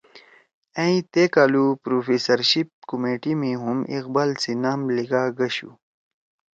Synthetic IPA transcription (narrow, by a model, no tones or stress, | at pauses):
ẽĩt̪ekaːlupɾoːfiːsɐɾɕip̚kumeːʈimiɦumḭqbaːlsinaːmliɡaːɡɐɕṵ